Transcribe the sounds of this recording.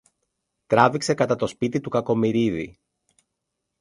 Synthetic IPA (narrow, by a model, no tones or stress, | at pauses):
t̪ɾɐvikse̞kɐt̪ɐt̪o̞spit̪it̪ukɐko̞miɾiðḭ